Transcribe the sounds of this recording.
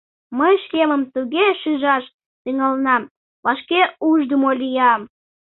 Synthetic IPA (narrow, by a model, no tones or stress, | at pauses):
məjʃkeməmt̪uɣeʃynʒɑʃ | t̪yŋɑlənɑm | βɑʃkeuʒd̪əmolʲijɑm